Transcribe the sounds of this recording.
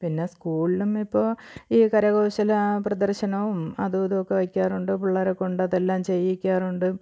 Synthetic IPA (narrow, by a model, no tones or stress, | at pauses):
pinːe̞skuːɭilumipːo̞ːiːkɐɾɐɣoːɕɐlɐprɐd̪ɐrɕɐnɐʋumɐðuɐðokːe̞ʋɐkʲːaːruɳɖɨpuɭːaːɾeko̞ɳɖɐðelːaːmt͡ɕe̞jːikʲːaːruɳɖɨ